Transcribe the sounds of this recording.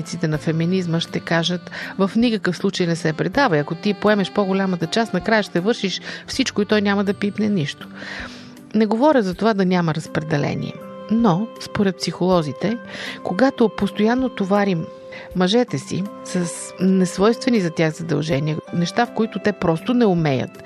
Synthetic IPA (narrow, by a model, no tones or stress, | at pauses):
nit̪sit̪ɛnɐfɛminizməʃt̪ɛkaʒət̪vɐfnikəkəfslˠut͡ʃəjnɛsɛpɾɛd̪avəiɐkot̪ipoɛmɛʃpoɡolʲamət̪ɐt͡ʃasnɐkɾajəʃt̪ɛvɤɾʃiʃfsit͡ʃkoit̪ɔjnʲaməd̪ɐpipnɛniʃt̪o̥ | nɛɡovɔɾʲəzɐt̪ovad̪ɐnʲaməɾɐspɾɛd̪ɛlɛ̰nḭɛ̰ | nospoɾɛt̪̚psixolˠɔzit̪ɛkoɡat̪opost̪ojanːot̪ovaɾimː | ɐʒɛt̪ɛsḭ | sɐs | nɛsvɔjst̪vɛnizɐt̪ʲjaɣzɐd̪ɐ̰lˠʒɛniənɛʃt̪afkoit̪ʊt̪ɛpɾɔst̪ʊnɛʊmɛjə̰t̪